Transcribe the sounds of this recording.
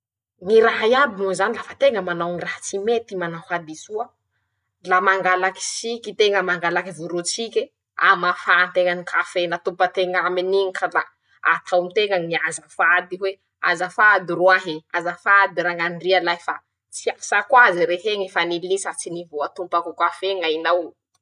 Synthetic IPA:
ŋiɾaɦaiabimuzanilafat̪eŋəmanawŋirahat͡simet̪imanahad̪isuə | lamaŋɡalaki̥sikʲit̪eŋəmaŋɡalakivuɾut͡sikʲe | a̰mafant̪eŋənikʰafenat̪upət̪eŋaminiŋikʰəla | a̰t̪ʰawmit̪eŋaŋiazafad̪iwe | a̰zafad̪iɾuaɦeazafad̪iɾaŋanrialajfa | t͡siḁsakwaziɾeɦeŋifanilisat͡sinivoat̪umpakukafeŋainaw

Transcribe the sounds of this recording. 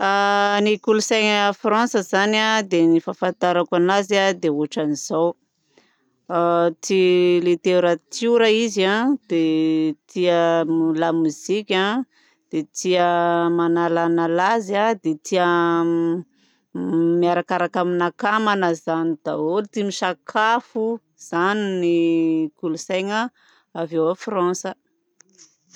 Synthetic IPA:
anikulusaŋafrãnsəzanad̪enifafant̪aɾakanazad̪eoʈ͡ʂaniz̥aw | t̪ilit̪eɾat̪ʰuɾaizãd̪̥et̪iəmlamuz̥ikʲa | d̪̥et̪ʰiəmanalanalazad̪et̪ʰiə | miaɾakaɾakaminakamanəzanid̪̥aolt̪imiʃakʰafu | z̥aninikulusajŋə | aveoafrãnsə

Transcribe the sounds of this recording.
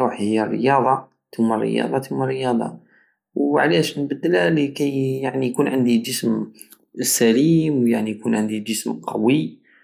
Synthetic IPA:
ɾuħhhəjːærːə̰jɑd̪ˤɑ | t̪umːærːə̰jɑ̰d̪ˤɑt̪jumːærːəjɑd̪ˤɑ̰ | wʕlæʃnbəd̪ːəlælikæjjaʕnijkunʕənd̪id͡ʒəsm | sælimwjaʕnijkunʕənd̪id͡ʒəsmqʰɑwi

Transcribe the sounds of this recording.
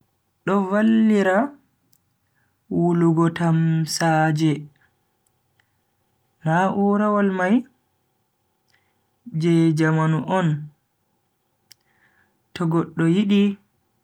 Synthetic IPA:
ɗɔvalːiɾa | wuluɡɔtamsad͡ʒɛ | naʔuːɾawalmaj | d͡ʒɛd͡ʒamanuʔɔn | tɔɡɔɗːɔjiɗi

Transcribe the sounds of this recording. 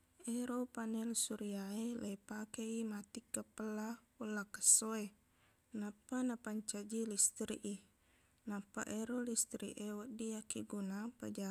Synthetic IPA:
eɾopanɛlsuɾiaelʔepakeimat̪ikːəpəla | ulakə̥soe | napanapaɲt͡ʃad͡ʒilist̪ɾiʔi | napa̰ʔeɾolist̪ɾḭʔewəʔdiakiɡunapəd͡ʒa

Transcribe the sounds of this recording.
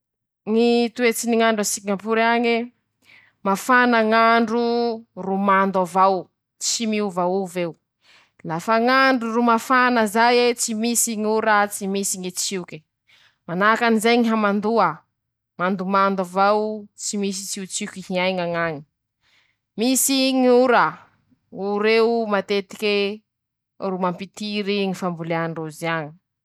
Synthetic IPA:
ŋit̪uet͡siniŋaɳɖ͡ʐasiŋampuɾaŋe | mafanaŋaɳɖ͡ʐurumand̪avaw | t͡simiuvawuvew | lafaŋaɳɖ͡ʐurumafanəzajet͡simisiŋuɾat͡simisiŋit͡siukʲi | manakanizajɲiɦamand̪ua | mand̪umand̪uvawt͡simis̬i̥t͡siut͡sikihiajŋaŋaɲi̥ | misiŋuɾa | uɾewmat̪et̪i̥kʲe | rumampit̪iɾiŋifambuleaɳɖ͡ʐoziaɲi̥

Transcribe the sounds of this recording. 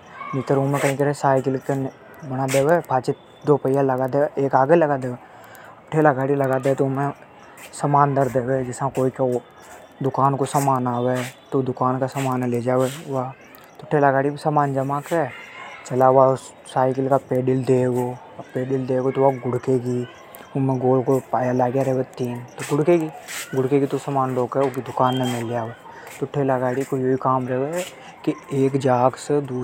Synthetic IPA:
mɪt̪əɾʊmẽkɐɦĩkəɾɛsaːjkɪlken | bɐnad̪eːwepʰaːt͡ʃe | d̪oːpəjjalɐɡaːd̪eeːkaːɡelɐɡad̪eːwe | ʈʰeːlaɡaːɽilɐɡaːd̪et̪oʊmẽ | sɐmaːnd̪əɾd̪eːwed͡ʒɪsãkoːika | d̪ʊkaːnkosɐmaːnaːwet̪od̪ʊkaːnkasɐmaːnleːd͡ʒaːʋewa | t̪oʈʰeːlaɡaːɽibisamaːnd͡ʒɐmaket͡ʃɐlaʋa | saːɪkɪlkapeːɖɪld̪eːɡo | peːɖɪld̪eːɡot̪oʋaɡʊɽkeɡi | ʊmẽɡoːlkopaːjalaːɡjaɾɛʋet̪iːnt̪oɡʊɽkeɡiɡʊɽkekit̪osamaːnloːɡɛokid̪ʊkaːnːemɪlːjaːʋeː | t̪oʈʰeːlaɡaːɽikojoikaːmɾəɦe | kieːkd͡ʒaːɡsed̪uː

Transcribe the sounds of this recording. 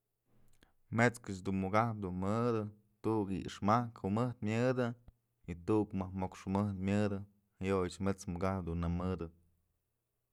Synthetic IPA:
met͡skɨt͡ʃd̪unmuɡahp̬̚d̪unmɨd̪ɨ | t̪uʔkḭḭʂmahkhumɨht̪mʲjɨd̪ɨ | it̪uʔkmahmokʂɨmɨht̪mʲɨd̪ɨ | hajojɨt͡ʃmet͡smuɡahpd̪unːamɨd̪ɨ

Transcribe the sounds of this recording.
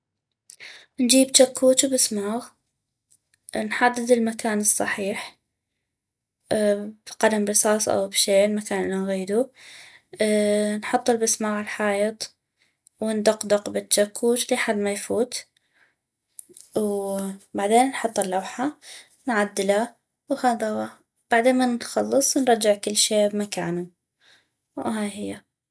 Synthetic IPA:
nd͡ʒiːbt͡ʃakʰːuːt͡ʃ̪bɪsmaːɣ | nħad̪ːɪd̪ɪlmakaːnɨsˤːɑħiːħ | b̥qɑd̪amɾɨsˤɑːsˤʔa̰wbʃeːɪlmakaːnʔɪnːanɣiːd̪u | nħɑt̪ˤːɨlbɪsmaːɣɪlħɑːjɪt̪ˤ | wɪnd̪ɑqd̪ɑqbɪt̪ːakʰːuːt̪liħad̪ːmajfuːt̪ | wbaʕd̪eːnːħɑt̪ˤːɪlːawħa | nʕad̪ːɪla | whaːd̪awa | b̥aʕd̪eːnmanxɑlːɨsˤwnɾˤɑd͡ʒɪʕkɪlːʃeːbmakaːnʊm | wɦaːjhɪjːa

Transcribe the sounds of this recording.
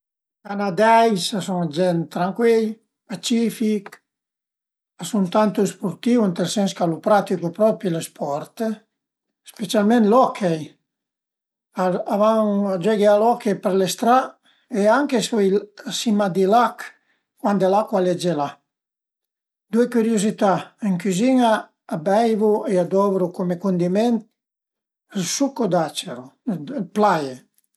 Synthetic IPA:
kanad̪ɛjsasuŋd͡ʒɛnt̪ɾaŋkwil | pat͡ʃifik | asunt̪ant̪uespuɾt̪iwent̪elsɛnskalupɾat̪ikupɾɔpilespʰɔɾt̪ | spet͡sjalmẽnlɔkʰej | aavaŋad͡ʒɛɡealɔkejpeɾlest̪ɾa | eaŋkesɔjasimad̪ilak | kːwand̪elakwaled͡ʒela | d̪uekyɾjozit̪aiŋkyzinaː | bɛjvuead̪ɔvɾukomekund̪iment̪ | sukod̪at͡ʃeɾoplaje

